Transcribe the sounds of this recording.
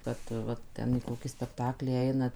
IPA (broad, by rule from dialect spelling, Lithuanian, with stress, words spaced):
ˈkɐt ˈʋɐ ˈtʲɛn iː ˈkoːkʲiː sʲpʲɛkˈtɑːklʲiː ˈɛɪnɐ